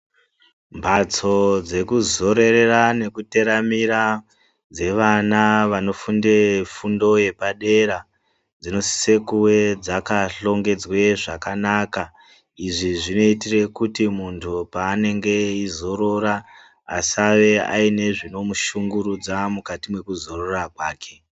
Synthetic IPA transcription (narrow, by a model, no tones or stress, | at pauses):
mbʱat͡so̞d͡ze̞kuzo̞ɾe̞re̞rane̞kute̞ɾamiɾa | d͡ze̞ʋanaʋano̞fundefundo̞je̞paɗe̞ɾa | d͡zino̞si̥se̞kuwe̞d͡zakaɬo̞ŋɡe̞d͡zwe̞ʐakanaːka | iʐiʐino̞itire̞kutimuntʰupaːne̞ŋɡe̞izo̞ɾo̞ɾa | asaʋe̞a̰ine̞ʐino̞muʃuŋɡuɾud͡zamukatimwe̞kuzo̞rorakwaːkʰe̞